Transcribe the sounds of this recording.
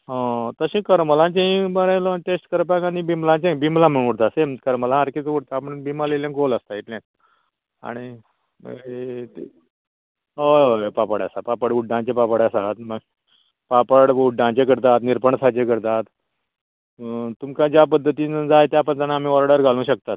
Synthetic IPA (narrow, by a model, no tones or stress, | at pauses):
ɦãt̪əɕĩːkəɾməlãɲt͡ɕeĩbəɾajlɔʈesʈkəɾpakanibimlãɲt͡ɕẽĩbimlãm̤əɽ̃uɽt̪asẽmkəɾməlãaɾkit͡sʋuɽt̪aːpəɳbimaleljãɡoləst̪ait̪lẽ | a̰ɽ̃ḭ | t̪e | ɦoopapəɽa̰sapapəɽuɖːãɲt͡ɕepapəɽasat̪mə | papəɽuɖːãɲt͡ɕekəɾt̪at̪niɾpəɳsat͡ɕekəɾt̪at̪ | t̪umkãd͡ʑap̬əd̪ʱːət̪iːd͡zaet̪japəd̪anam̤ĩʋɔɾɽəɾɡʱalũːɕək̚t̪at̪̚